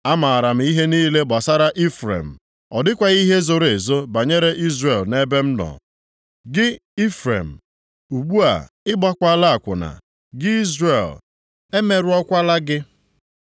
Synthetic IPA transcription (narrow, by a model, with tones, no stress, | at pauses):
a˦ma˨a˨ɾa˨m̩˨˦i˦ɦe˦niː˦le˦ɡ͡ba˨sa˦ɾa˦ʔi˦fɾḛ˨m̩˨ | ɔ˨dɪ˦kʷa˨ɣi˦ɦe˦zʊ˨ɾe˨zo˦ba˨ɲe˦ɾe˦ʔi˦zre˨lne˦be˦m̩˦nɔ̰˨ | ɡɪ˦i˦fɾḛ˨m̩˨ | u˨ɡ͡bu˦a̰˨ | ɪ˦ɡ͡ba˦kʷa˦la˦a˨kʷʊ˨na̰˨ | ɡɪ˦i˦zre˨l | e˦me˨ɾʊ˨˦ɔ˦kʷa˦la˦ɡɪ˦